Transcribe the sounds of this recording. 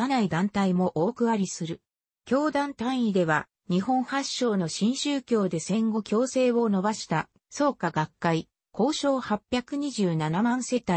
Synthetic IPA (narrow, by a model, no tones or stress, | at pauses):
anaid̪ãnt̪aimo̞ʔoːkɯ̟βaɾʲisɨɾɯ̟ | kʲo̞ːd̪ãnt̪ãɰ̃id̪e̞βa | ɲ̟ihõ̞ɰ̃haɕːo̞ːno̞ɕĩɰ̃ɕɨːkʲo̞ːd̪e̞sẽ̞ŋɡo̞kʲo̞ːse̞ːβo̞no̞baɕi̥t̪a | so̞ːkaɡakːai | kʰo̞ːɕo̞ːhapʲːjakɯ̟ɲ̟iʑɨːnanamãɰ̃se̞t̪ai